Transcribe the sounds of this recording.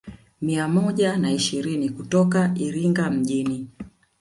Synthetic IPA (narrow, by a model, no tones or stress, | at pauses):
miamɔʄanaiʃiɾinikutɔkaʔiɾiŋɡam̩ʄini